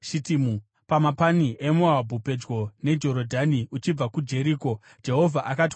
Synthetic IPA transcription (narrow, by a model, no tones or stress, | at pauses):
ʃitimu | pamapaniʔemuabʱupe̞d͡ʒɡo̞ne̞d͡ʒo̞ɾodʱaniut͡ʃib͡vakud͡ʒe̞ɾiːko̞ | d͡ʒe̞ɦo̞vʱaʔakat̬